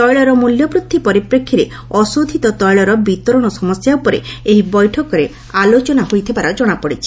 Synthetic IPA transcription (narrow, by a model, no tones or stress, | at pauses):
t̪ɔjɭɔɾɔmuljɔpɾut̪ʰːipɔɾipɾekʰːiɾe | ɔsod̪ʱit̪ɔt̪ɔjɭɔɾɔbit̪ɔɾɔɽ̃ɔsɔmɔsjaupɔɾḛeɦibɔjʈʰɔkɔɾe | alot͡ʃɔnaɦojt̪ʰibaɾɔd͡ʒɔɽ̃apɔɽit͡ʃʰi̥